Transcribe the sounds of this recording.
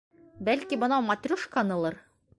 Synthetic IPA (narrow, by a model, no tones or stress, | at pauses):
bælkibɤ̆nɑmɐt̪ʲrʲuʃkɑnɤ̆lˠɤɾ